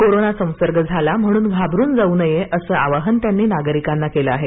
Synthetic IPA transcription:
koɾonasə̃w̃səɾɡəd͡zʱalam̤əɽ̃uːnɡʱabʱɾuːnd͡zaunəjeʔəsəːaʋaɦənt̪janːiːnaɡəɾikanːakeləaɦe

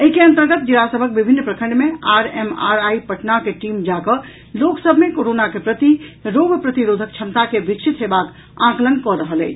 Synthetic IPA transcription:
əɦikeə̃nt̪əɾɡət̪̚d͡ʒilasəbʱək̚bibʱinːpɾəkʰə̃ɳɖmeaɾemaɾaipəʈnakeʈimd͡ʒakə | loksəbʱmekoɾonakepɾət̪iɾoɡʱpɾət̪iɾod̪ʱək̚t͡ʃʰəmt̪akebit͡ʃʰit̪ɦebak | ãklənkɔɾəɦəlɛ̰ɪt͡ʃʰ

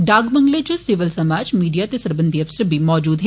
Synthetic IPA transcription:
ɖaːɡbə̃ŋɡled͡ʒosɪʋəlsɐmaːd͡ʒmiːɖijat̪esɐɾbə̃nd̪ʱiɐfsəɾbʱimɔːd͡ʒuːd̪ɦ

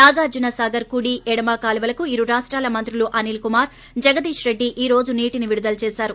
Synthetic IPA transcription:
naːɡaːɾd͡ʒunɐsaːɡɐɾkuɽiːʔɛɽɐmaːkaːliʋɐlɐkuiɾuɾaːʂʈɾaːlɐmɐnt̪ɾuluʔɐnilkumaːɾ | d͡ʒɐɡɐd̪iːʂɾe̞ɖːiʔiːɾo̞ːd͡ʒuniːʈiniʋiɽud̪ɐlɐt͡ʃɛːsaːɾu

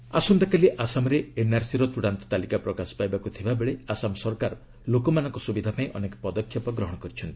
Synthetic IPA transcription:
a̰sund̪akaliʔasamɔɾeːnaɾsiɾɔt̪uɽant̪ɔ̥t̪alikapɾɔkasɔ̥pajbakut̪ʰibabeɭeasamɔsɔɾkaɾ | lokɔmanɔŋkɔsubid̪ʱapaĩʔɔnekɔ̥pɔd̪ɔkʰːjɔpɔɡɾɔɦɔɽɔkɔɾit͡ʃʰɔnt̪i̥

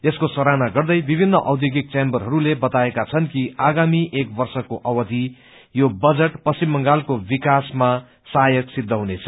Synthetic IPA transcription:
eskosʌɾanaɡʌrd̪ʌjbibʱinːʌʔawd̪joɡik̚t͡sembʌrɦʌɾulebʌt̪aekat͡sʰʌnkiaɡamiʔek̚bʌrsʌkoʔʌwʌd̪ʱi | jobʌd͡zeʈpʌsimːʌŋɡalkobikasma | sajʌksid̪ʱːʌɦunet͡sʰʌ̥

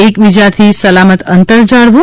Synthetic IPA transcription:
ekʋid͡ʒat̪ʰisəlamət̪ənt̪əɾd͡ʒaɽʋũ

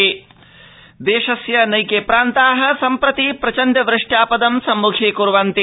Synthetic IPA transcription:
d̪eːʂɐsjɐnɐjkeːpɾaːnt̪aːɦɐ̆sɐmpɾɐt̪ipɾɐt͡ʃɐnd̪ɐʋɾɨʂʈjaːpɐd̪ɐmsɐmːukʰeːkuɾʋant̪i

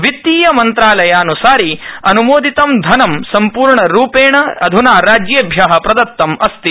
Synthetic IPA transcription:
ʋit̪ːiːjɐmɐnt̪ɾaːlɐjaːnusaːɾiɐnumoːd̪it̪ɐmd̪ʱɐnɐmsɐmpuːɾɳɐɾuːpeːɳɐɐd̪ʱunaːɾaːd͡ʒjeːbʱjaːɦɐpɾɐd̪ɐt̪ːɐmɐst̪i

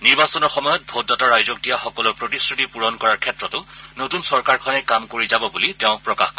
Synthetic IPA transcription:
niɹbasɔnɔɹxɔmɔjɔt̚bʱotːɔtɔɹajzɔk̚dijaxɔkɔlɔɹpɹotisɹutipuɹɔnkɔɹaɹkʰɛtɹɔtʊnotunsɔɹkaɹkʰɔnɛkamkoɹizabɔbuliteʊ̃pɹɔkaxk

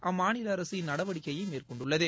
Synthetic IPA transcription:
ʔaːmaːnɪlɐːɾɐsɯjɪnnɐɽɐʋɐɽɪkːɐjɐɪmeːrkɔɳɖɯɭːɐðɯ

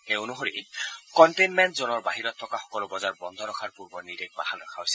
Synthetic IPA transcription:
eonuɦoɹḭkɔntejnmɛntzɔnɔɹbaɦiɹɔt̪ʰːɔkaxɔkɔlobɔzaɹbɔnd̪ʱɔɾɔkʰaɹpuɹbɔɹniɾek̚ba̰hanɔkʰaɦojsɛ̥

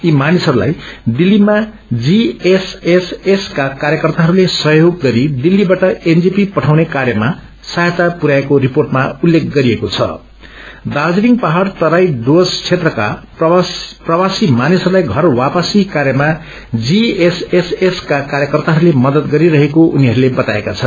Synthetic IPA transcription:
imanisɦʌɾula̰jd̪ilːima | d͡zieseseskakaɾjʌkʌrt̪aɦʌɾulesʌjoɡːʌɾid̪ilːibaʈʌend͡zipipʌʈʰawnekarjʌma | sajet̪apuɾaekoriporʈmaulːek̚ʰɡʌɾiekot͡sʰʌ̰ | d̪ad͡ziniŋpaɦart̪ʌɾajɖost͡sʰet̪rʌka̰pprʌwasimanisʌulajɡʱʌrwapʌsikaɾjʌma | d͡zieseseskakaɾjʌkʌrt̪aɦʌɾulemʌd̪ʌt̪ɡʌɾiɾʌɦekoʔuniɦʌɾulebʌt̪aekat͡sʰʌn

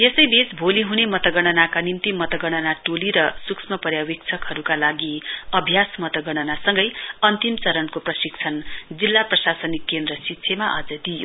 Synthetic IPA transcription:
jesʌjbet͡sbʱoliɦunemʌt̪ʌɡʌɽ̃ʌnakanint̪imʌt̪ʌɡʌɽ̃ʌnaʈoliɾʌsuksmʌpʌɾjawik̚t͡sʰʌkɦʌɾukalaɡiʌbʱjasmʌt̪ʌɡʌɽ̃ʌnasʌŋɡʌjʌnt̪imt͡sʌɾʌnkoprʌsik̚t͡sʰʌnd͡zilːaprʌsasʌnikːend̪rʌsit̪ːsʰemaʔʌd͡zʌd̪ijo

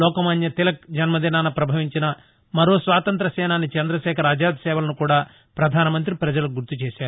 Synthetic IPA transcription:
ɔːkɐmɐnjɐt̪ilɐk̚d͡ʒɐnmɐd̪inaːnɐpɾɐbʱɐʋiɲt͡ʃinɐ | mɐɾoːsʋaːt̪ɐnt̪ɾɐsɛːnaːnit͡ʃɐnd̪ɾɐʃɛːkʰɐɾaːd͡ʒaːd̪ʱsɛːʋɐlɐnukuːɽaː | pɾɐd̪ʱaːnɐmɐnt̪ɾipɾɐd͡ʒɐlɐɡuɾt̪ut͡ʃeːʃaːɾu

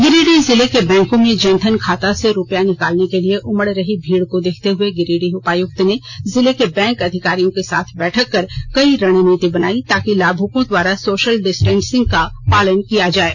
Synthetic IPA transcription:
ɡɪɾiːɖizɪlekebɛ̃ːŋkõmẽd͡ʒə̃nt̪ʰənkʰaːt̪aseɾʊpjanɪkaːlnekelieʔʊməɽɾɐɦibʱiːɽkod̪eːkʰt̪eɦʊeɡɪɾiːɽiʊpaːjʊk̚t̪nezɪlekebɛ̃ːŋkɐd̪ʱɪkaːɾijõkesa̰ːt̪ʰbɛːʈʰəkːɐɾkɐiɾɐɽ̃niːt̪ibɐnaːit̪aːkilaːbʱukõd̪waːɾasoːʃəlɖɪsʈɛ̃ːnsɪ̃ŋɡ̚kapaːlənkijad͡ʒaːeː

